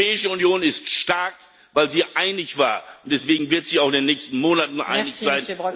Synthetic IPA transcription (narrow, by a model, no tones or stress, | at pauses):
ɛːɪʃəʊnjoːnɪstʃtaɐk | vaɪlziːʔaɪnɪçv̥a̰ːɐʊntd̥ɛsv̥eːɡŋ̩vɪɐtz̥iːaʊxɪndeːnːɛːçstn̩moːnatn̩ʔa̰ɪnɪçz̥aɪn